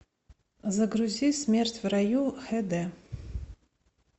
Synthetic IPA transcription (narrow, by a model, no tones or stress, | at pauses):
zɐɡɾuzʲismʲertʲʰvrajuħɛd̪ɛ